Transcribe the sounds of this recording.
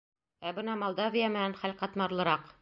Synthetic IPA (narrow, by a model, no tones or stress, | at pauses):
æbɤnɑmolˠd̪ɑvʲijamɘ̆nænχælqɑt̪mɑɾlˠɤ̆ɾɑq